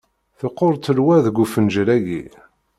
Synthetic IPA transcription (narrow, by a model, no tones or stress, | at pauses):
θəqːoɾˤt̪ːəlwæðɡʷufənʒɾæjḭ